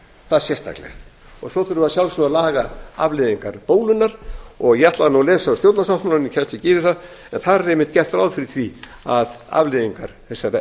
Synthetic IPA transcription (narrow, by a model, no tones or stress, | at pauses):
θaðsjɛst̪a̰klɛ̰ɣa̰ | ɔɣsɔθʏɾʏasjawlsɔalaːɣaa̰vleðiŋkaɾpoːwlʏnːaɾ̥ɔɣjaht̪laðnuwlɛːsaʏst̪jowt̪nasawht̪mananicʰɛl̥t̪ɪcɪːvɪθað | ɛnθaɾaɾemːɪht̪̚cɛht̪fɾawlfɪɾɪ̥θvi | aða̰vleðiŋkaɾ̥θɛsːaɾ